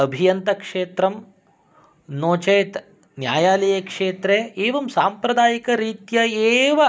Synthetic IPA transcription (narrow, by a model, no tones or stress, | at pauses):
ɐbʱijɐnt̪ɐkʂeːt̪ɾɐm | noːt͡ʃɐjt̪ | njaːjaːlɐjɐkʂeːt̪ɾeeːʋɐmsaːmpɾɐd̪aːjikɐɾiːt̪jɐeːʋɐ